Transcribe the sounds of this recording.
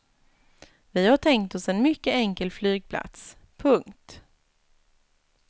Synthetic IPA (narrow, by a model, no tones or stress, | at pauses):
vɪhaʈʰɛŋkt̪ɔsɛnmʏkːəɛŋkəlflyːɡ̚pʰla̰t̪s | pʰɵŋkt̪